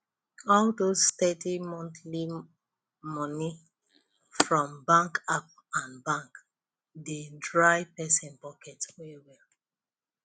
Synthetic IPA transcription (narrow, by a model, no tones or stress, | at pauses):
ɔldostɛtimɔ̃nθli | mɔni | fɹɔ̃mbãŋkap̚ | ãnbãŋk | dedɹaɪpɛsɛ̃npɔkʰɛtwewɛl